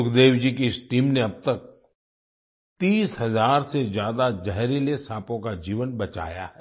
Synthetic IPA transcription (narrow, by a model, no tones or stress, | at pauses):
ʊkʰd̪eːwd͡ʒiːkeɪsʈiːmneɐb̚t̪ɐk̚ | t̪iːsɦɐzaːɾsezjaːd̪ad͡ʒɐɦɾelesaːpõkad͡ʒiːʋənbɐt͡ʃa̰ːja̰ɦɛː